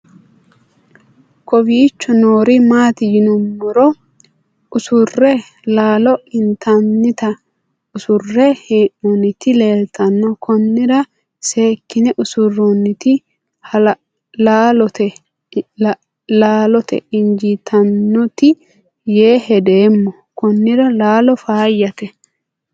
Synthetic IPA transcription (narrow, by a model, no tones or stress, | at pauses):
kɔbiːt͡ʃːɔnoːɾɪmaːt̪ɪjɪnʊmːʊɾɔ | ʊsʊrːɛ | laːlɔɪnt̪ɐnːɪt̪ɐ | ʊsʊrːɛhɪʔɔnːɪt̪ɪle̞ːlt̪ɐnːɔkʰɔnːɪd̪ɐ | se̞ːkːɪnɛʔʊsʊrːɔnːɪt̪ɪ | hɐl | laːlɔt̪ɛ | laːlɔt̪ɛ̰ʔɪnd͡ʒit̪ʰɐnːɔt̪ɪ | jeːhɛd̪eːmːɔ | kɔnːɪɾɐlaːlɔfaːjːɐt̪ɛ